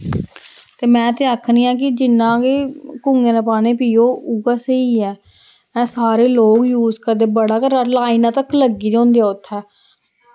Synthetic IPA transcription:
t̪eːmɛ̃ːt̪eːakʰniːãːk̬ɪd͡ʒɪnːãːkeːkuŋɡẽːnãːpaːnẽːpiːoːuɡaːsəiːɛː | ɛ̃ːsaːɾeːloːɡjuːzkəɾd̪eːbəɽaːkəɾəlaːiːnãːt̪əkːləɡiːd͡ʒõːnd̪eɛːʊt̪ʰːɛː

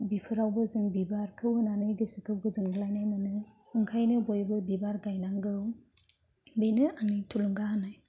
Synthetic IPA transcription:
bipʰɯɾawbɯzɯŋbibaɾkʰɯwhɯnanɯjɡɯsikʰɯwɡɯzɯŋɡɯlajnajmanɯ | ɯŋkʰajnɯbojbɯbibaɾɡajnaŋɡɯw | benɯanitʰuluŋɡaɦanaj

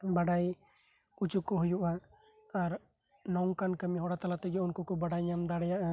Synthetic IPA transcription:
baɖaj | ut͡ʃukːɔɦujuʔa | aɾ | nɔŋkankəmiɦɔɽat̪alat̪ɛɡɛunkɔkɔbaɽajɲamd̪aɽɛjaʔa

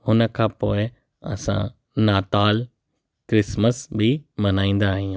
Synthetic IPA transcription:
hʊnə̆kʰãːpoːɪ | ɐ̰sã̰ | naːt̪aːl | kɾɪsməsbɪmɐnaːĩːn̆d̪aːɦĩ

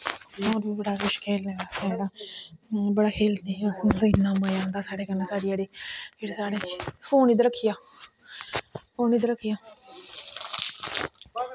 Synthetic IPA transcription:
oːɾbiːbəɽaːkʊʃkʰeːlneːaːst̪eeːɽaː | bəɽaːkʰeːlt̪eːəsnd̪əɪnːãːmaːjãːnd̪aːsaːɽeːkəneːsaːɽiːeːɽeːpʰɪɽsaːɽeːpʰoːniːd̪ɾəkʰːɪjaː | pʰoːniːd̪ɾəkʰːɪjaː

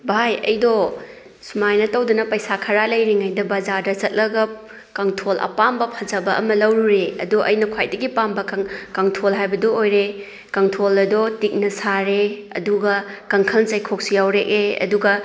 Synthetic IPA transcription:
bʱajɐ̰jdɔ | sumajnɐtɐwdunɐpɐjsakʰɐɾalɐjɾiŋajdɐbɐzaɾdɐzɐt̚lɐɡɐp̚ | kɐŋtʰolʔɐ̰pambɐpʰɐzɐbɐɐ̰mɐlɐwɾuɾeɐ̰duʔɐ̰jnɐkʰwajdɐɡipambɐkɐŋtʰolɦajbɐdɔojɾe | kɐŋtʰolɐdɔtik̚nɐsaɾeɐ̰duɡɐkɐŋkʰɐlnt͡ʃɐjkʰok̚sijawɾekeɐ̰duɡɐ

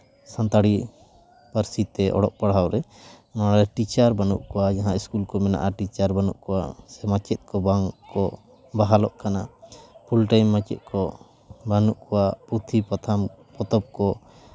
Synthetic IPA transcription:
sant̪aɽi | paɾsit̪ɛʔɔ̰ɽɔʔpaɽɦawɾɛ | maɾɛʈit͡ʃaɾbanṵʔkɔwajaɦãiskulkɔmɛna̰ʔaʈit͡ʃaɾbanṵʔkɔwasɛmat͡ʃɛt̪̚kɔbaŋkɔ | baɦalɔʔkanapʰulʈajmːat͡ʃɛt̪̚kɔ | banuʔkɔwaput̪ʰipat̪ʰampɔt̪ɔp̚kɔ

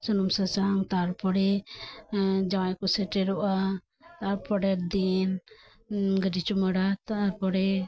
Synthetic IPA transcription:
sɔnumsat͡ʃaŋt̪aɾpɔɽɛ | d͡ʒawajkɔsɛʈɛɾɔʔa | t̪aɾpɔɽɛɾd̪in | ɡəd͡ʒit͡ʃuməɽat̪aɾpɔɽɛ

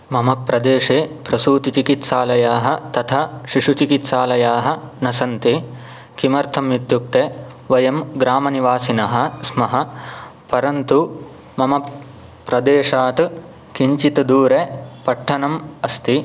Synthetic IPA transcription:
mɐmɐpːɾɐd̪eːʂeːpɾɐsuːt̪it͡ʃikit̪saːlɐjaːɦɐ̆t̪ɐt̪ʰɐʃiʂut͡ʃikit̪saːlɐjaːɦɐ̆nɐsɐnt̪i | kimɐɾt̪ʰɐmjit̪juk̚t̪eː | ʋɐjɐmɡɾaːmɐniʋaːsinɐɦɐ̆smɐɦɐ̆pɐɾɐnt̪u | mɐmɐp | pːɾɐd̪eːʂaːt̪ | kiɲt͡ʃit̪ɐd̪uːɾepɐʈʰːɐnɐmɐst̪i

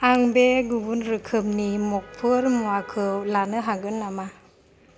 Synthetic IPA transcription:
aŋbeɡubunɾɯkʰɯmnimɔk̚pʰɯɾmuakʰɯwlanɯɦaɡɯnlama

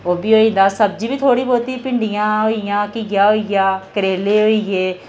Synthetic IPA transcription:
oːbiːɦoːĩːnd̪aːsəb̚d͡ʒiːbiːt̪ʰoːɽiːboːt̪iːpɪɳɖijãːɦoːijãːkɪɡjaːɦoːiɡaːkəɾeːleːɦoːiɡeː

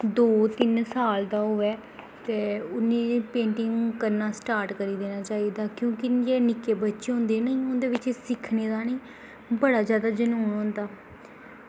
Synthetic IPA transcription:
d̪oːt̪ɪnsaːld̪aːɦoːɛː | t̪eːʊnːiːpẽːɳʈɪŋɡkəɾnaːsʈaːɾʈkəɾiːd̪eːñaːt͡ʃaːiːd̪aːkjõːkɪd͡ʒenɪkeːbətːʃeːɦʊ̃nd̪eːnəĩːʊnd̪eːʋɪt͡ʃesɪkʰneːd̪aːnəĩː | bəɽaːzjaːd̪aːd͡ʒənuːnõnd̪aː

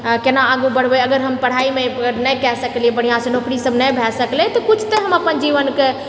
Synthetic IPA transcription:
kenaaɡubəɽ̤bɛəɡəɾɦəmpəɽ̤aimeəɡəɾnɛkɛsəkliebəɽ̤ijãsẽnokɾisəbnəbʱɛsəklɛt̪ɔkut͡ʃʰt̪eɦəməpənd͡ʒiʋənke

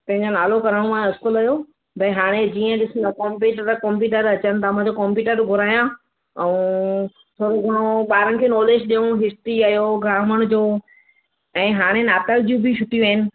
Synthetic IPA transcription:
pɐ̃ɦɪ̃ɲd͡ʑonaːlokɐɾəɽ̃mãɪskʊlɐjo | bʱɐiɦaːɽ̃ed͡ʑiːə̃ɗɪsnɐkɔmpiːʈkɐ̃mpjuːʈəɾɐt͡ɕənɪ̆t̪ɐm̃d͡ʑokɔmpjuːʈəɾɡʱʊɾaːijã | ɛũ | t̪ʰoːɾoɡʱəɽ̃õɓaːɾənɪ̆kʰeːnɔːleːd͡ʑɗijũɦɪsʈɾiɐjoɡɾaːməɽ̃ʊd͡ʑoː | ɛ̃ːɦaːɽ̃enaːt̪əld͡ʑjũbʱɪʃʊʈijuəːɦɪnɪ̆

